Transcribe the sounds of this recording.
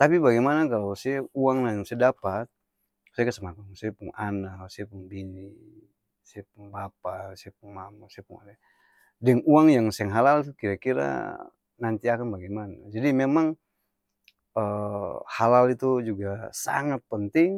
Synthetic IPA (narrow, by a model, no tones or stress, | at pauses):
t̪apibaɡɛmanakalawsiɛuaŋnajaŋsɛadapat̪̚ | saakasəmakansapuŋanasaɛpuŋbini | sɛpuŋbapasiɛpuŋmamasɛapṵŋa̰dɛ | dɛŋuaŋjaŋsɛŋɦalalt̪ukiɾakiɾa̰ | nant̪iakanbaɡɛmana̰d͡ʒadimɛmaŋ | əhalalit̪ud͡ʒuɡasa̰ŋat̪̚pənt̪iŋ